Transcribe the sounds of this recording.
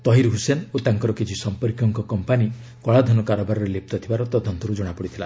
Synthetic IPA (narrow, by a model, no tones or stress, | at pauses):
t̪ɔɦiɾɦusenot̪aŋkɔɾɔkit͡ʃʰisɔmpɔɾkjɔŋkɔkɔmpani | kɔɭad̪ʱɔnɔkaɾɔbaɾɔɾelep̚t̪ɔt̪ʰibaɾɔt̪ɔd̪ʱɔnt̪ɔɾud͡ʒɔɽ̃apɔɽit̪ʰila̰